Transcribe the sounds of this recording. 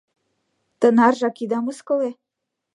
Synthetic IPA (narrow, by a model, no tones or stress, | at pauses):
t̪ə̆nɑrʒɑkid̪ɑmuskɤ̆le